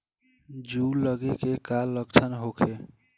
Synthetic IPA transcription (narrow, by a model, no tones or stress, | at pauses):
d͡ʒulʌɡekekalːʌɡ̚t͡ʃʰʌnɦokʰe